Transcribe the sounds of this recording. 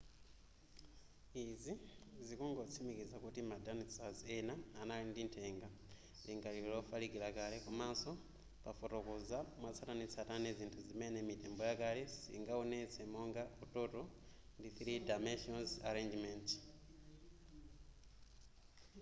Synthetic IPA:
izizikuːŋɡot͡simikizakutimadanisazenaːnalindintʰeːŋɡa | liŋɡalilofalikilakalekumaːso̞ | pafotokuzamwat͡satanit͡sataneziːntʰuzimenemiteːmbojakalesḭŋɡaonet͡semoŋɡautoto | ndiθiɾidameʃionzaɾeɲd͡ʒiment

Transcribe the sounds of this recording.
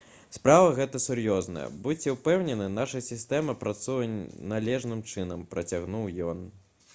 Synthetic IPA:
spɾavɐɣɛt̪ɐsurjɔznɐ̰jɐ̰but͡sʲɛwpɛwnʲɛnɨnaʂɐjsʲist̪ɛmɐpɾat̪sujɐnalʲɛʐnɨmt͡ʂɨnɐmpɾɐt͡sʲaɣnuwjɔn

